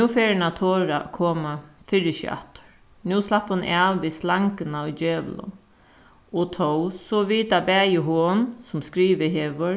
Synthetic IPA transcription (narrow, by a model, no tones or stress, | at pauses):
nuːfeːɾnat̪ʰoːɾa̰kʰoːmafɪɾɪɕḭa̰ht̪ə̥ɹ | nuːslapːhʊnʔaːʋʋiːslaŋkənaɔjd͡ʒeːʋlʊ̰ | ɔt̪ʰɔwsɔʋiːt̪abæːjəɦoːnsʊmskɾiːʋəɦeːʋəɹ